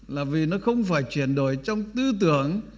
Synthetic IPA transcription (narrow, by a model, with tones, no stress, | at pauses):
laː˨˩vi˨˩nɔ˨˦xə˧wŋ͡mfaː˧˩jt͡ɕwi˧˩ənɗo̰˧˩˨jt͡ɕɔ˧wŋ͡mt̪ɨ˧t̪ɨ˧˨əŋ